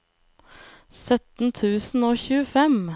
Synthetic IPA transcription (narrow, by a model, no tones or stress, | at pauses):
sœt̪n̩t̪ʰʉːsn̩oːçʉːəfɛm